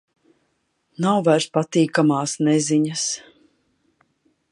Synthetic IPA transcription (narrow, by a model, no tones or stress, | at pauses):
nawvaɾspat̪iːkamaːsnɛziɲas